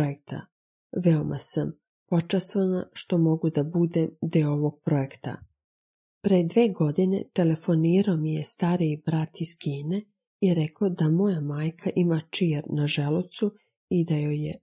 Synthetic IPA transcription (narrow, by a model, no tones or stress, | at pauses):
oek̚t̪ʰa̰ | ʋeomʔa̰sam | po̞t͡ʃast̪ʋanaʃt̪o̞mo̞ɡud̪abud̪emd̪eooʋoɡ̚pɾo̞e̞kt̪a̰ | pɾed̪ʋeːɡo̞d̪ine̞̰t̪e̞le̞fo̞niːɾaomijest̪aɾibɾat̪iz̥kʰiːne̞ | iɾekʰod̪amo̞jamaːjkʰaʔimat͡ʃiːɾnaʒelut̪su | id̪ajoje